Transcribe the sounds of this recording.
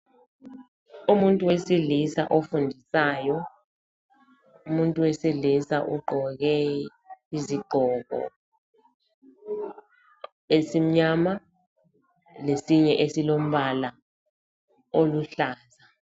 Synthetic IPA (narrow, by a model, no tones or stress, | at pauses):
umuntʼuwesilisa̰ʔofundʱisaːjɔ | umuntʼuwesilisaʔuɡ͡ǃʱɔk̬ɛ | iziɡ͡ǃʱɔːk̬ɔ̰ | esim̩ɲaːma | lesiɲɛʔesilom̩ɓala | oluɬaːza